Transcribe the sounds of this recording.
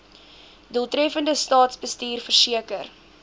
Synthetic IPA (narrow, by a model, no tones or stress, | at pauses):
duəlˠtrɛfəndəstɑːtsbəstiːrfərsiəkər